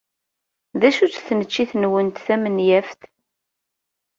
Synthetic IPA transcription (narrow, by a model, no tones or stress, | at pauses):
ðæʃut͡sθnət͡ʃːiθənwənt̪θæmənjæft̪